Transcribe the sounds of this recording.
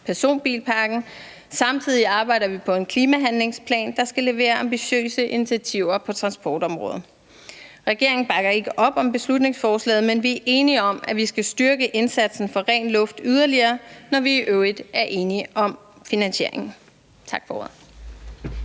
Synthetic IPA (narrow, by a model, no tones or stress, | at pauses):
pʰæɐso̝̰ːnb̥ḭːlpʰɑ̈ːɡ̥n̩ | sɑ̈mt͡sʰið̞̰ˠiɑ̈ːb̥ɑ̈ɪ̰ɾ̥ɐʋipʰɒ̽e̝nkʰliːmæɦænle̝ŋspʰlɛ̰ːnd̥ɑ̈sɡ̥æle̝ʋe̝̰ːɐɑ̈mbiɕø̰ːsəʔinit͡sʰiæt͡sʰiʊ̰ɐpʰɒ̽t͡sʰʁɑ̈nsb̥ɒːd̥ɒ̽mʁɔ̰ːð̞̩ˠ | ʁɛɡ̥e̝ɐe̝ŋn̩b̥ɑ̈ɡ̥ɐe̝ɡ̥əʔɒ̽b̥ɒ̽mb̥e̝slud̥ne̝ŋsfɒːslɛ̰ːð̩ˠmenʋiæʔe̝ːniɒ̽mæʋisɡ̥æsd̥yɐɡ̥əʔe̝nsæd̥sn̩fɒ̽ʁɛ̰ːnlɔ̽fd̥yð̞ˠɐliɐːnɒʋiːʔøʊid̥æɐʔe̝ːniʔɒ̽m | finænɕe̝̰ɐ̰e̝ŋn̩ | t͡sʰɑ̈ɡ̥fɒo̰ɐ̰ðˠ